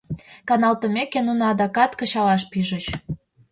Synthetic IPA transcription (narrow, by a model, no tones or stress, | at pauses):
kɑnɑlt̪ə̆mekenunɑd̪ɑkɑt̪kə̆ɕɑlɑʃpiʒə̆t͡ɕ